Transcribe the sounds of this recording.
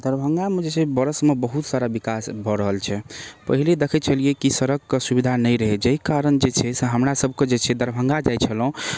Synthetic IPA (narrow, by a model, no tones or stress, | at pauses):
d̪əɾbʱəŋɡamed͡ʒet͡ʃʰɛbəɾəsmebəɦut̪saɾabikasbʱɔɾəɦəlt͡ʃʰɛpəɦiled̪ekʰɛt͡ʃʰəlijekisəɾəɡkesubid̪ʱanəjɾəɦed͡ʒəikaɾənd͡ʒet͡ʃʰɛseɦəmɾasəbʱked͡ʒet͡ʃʰɛd̪əɾbʱəŋɡad͡ʒajt͡ʃʰəlɦũ